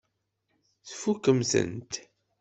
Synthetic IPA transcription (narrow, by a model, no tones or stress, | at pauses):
θfukːəmθə̰nt̪